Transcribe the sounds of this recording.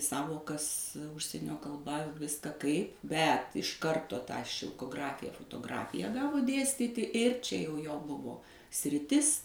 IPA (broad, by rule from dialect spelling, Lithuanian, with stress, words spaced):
ˈsɑːʋoːkɐs ˈʊʃʲsʲiɛnʲoː kɐlˠˈbɐ ˈʋʲɪskɐ kɐɪp ˈbʲɛt ɪʃ ˈkɐrtoː tɑː ʃʲɪlˠkoːˈɡrɑːfʲɪjɛ foːtoːˈɡrɑːfʲɪjɛ ˈɡɑːʋoː ˈdʲeːsʲtʲiːtʲɪ ˈɪr t͡ʃʲɛ jɛʊ joː ˈbʊʋoː sʲrʲɪˈtʲɪs